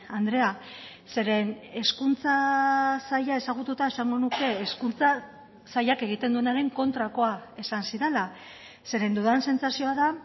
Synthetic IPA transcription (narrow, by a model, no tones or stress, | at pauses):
and̪ɾe̞a | se̞ɾe̞ne̞skunt͡sasaʎae̞saɣ̞ut̪ut̪ae̞saŋɡo̞nuke̞ːskunt͡sa | sajake̞ɣ̞it̪e̞nd̪ue̞naɾe̞ŋko̞nt̪ɾako̞ae̞sansiɾe̞la | se̞ɾe̞nd̪uðanse̞nt͡sasio̞aða